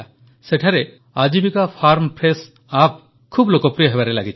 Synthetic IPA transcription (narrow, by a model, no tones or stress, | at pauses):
seʈʰaɾe | ad͡ʒibikapʰaɾmpɾes | ap̚ | kʰublokopɾijəɦebaɾelaɡit͡ʃʰ